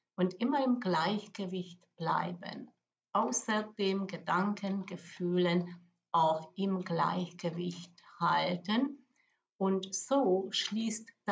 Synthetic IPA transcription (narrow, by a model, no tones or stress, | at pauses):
ʔʊntʔɪmɐɪmɡlaɪçɡ̥əvɪçtb̥la̰ɪbə̰n | ʔaʊsɐd̥eːmɡədaŋkʰənɡəfyːlən | ʔaʊxɪmɡla̰ɪçɡ̥əvɪçthaltən | ʔʊntz̥oːʃliːstd̥